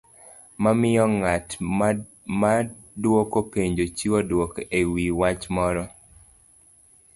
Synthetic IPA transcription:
mamɪɔŋat | ma | dwokopeɲd͡ʒot͡ʃiwɔdwokewiwat͡ʃmɔɾɔ

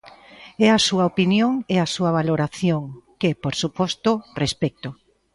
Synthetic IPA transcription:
ɛasuɐopinjoŋeasuɐβ̞aloɾaθjoŋkepoɾsupɔst̪ʊrespɛk̚t̪ʊ

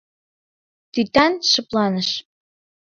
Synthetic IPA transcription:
t̪yt̪ænʃɤ̆plɑnəʃ

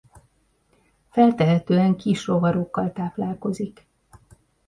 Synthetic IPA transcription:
fɛlt̪ɛɦɛt̪øːɛŋkiʃro̞vɒɾokːɒlt̪aːplaːlko̞zik

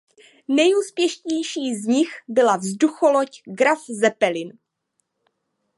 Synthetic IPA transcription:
nɛjuːspjɛʃɲɛjʃiːzɲɪxbɪlavzduxolocɡɾafzɛpɛlɪn

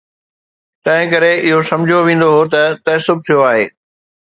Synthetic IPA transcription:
t̪ɐ̃ɦɪ̃kɐɾeʔɪɦosɐ̃md͡ʑʱjoʋẽːn̆d̪oɦot̪ɐt̪ɐsʊb̚t̪ʰijoaːɦeː

